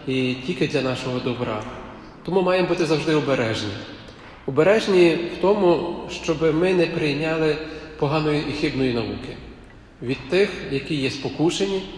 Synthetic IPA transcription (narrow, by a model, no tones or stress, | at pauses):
itʲilʲkɪd̪lʲɐnɑʃɔɦɔd̪ɔbɾɑ̰ | t̪ɔmumɑjemɔbut̪ɪzɐwʒd̪ɪɔbeɾɛʒnʲi | ɔbeɾɛʒnʲiwt̪ɔmʊʃt͡ʃɔbɪmɪnɛpɾɪjnʲɑlˠɪpɔɦɑnɔjiʔixɪbnɔjinɐʋukɪ | ʋʲid̪̚t̪ɪxjɐkʲijɛspɔkuʃenʲi